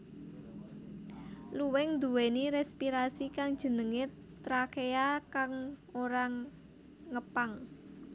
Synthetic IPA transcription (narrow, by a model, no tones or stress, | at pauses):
luwɛŋd̪ṳweniɾɛspiɾasikaŋd̥ʒ̥ə̤nəŋe | t̪ɾakejakaŋoɾaŋː | əpaŋ